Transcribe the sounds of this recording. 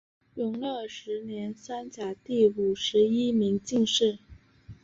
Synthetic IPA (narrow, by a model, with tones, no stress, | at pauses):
jʊ˧˥ŋlɤ˥˩ʂɻ̩˧˥njɛ˧˥nsa˥nt͡ɕja˨˩t̪i˥˩u˨˩ʂɻ̩˧˥i˥mi˧˥ŋt͡ɕi˥˧ŋʂɻ̩˥˩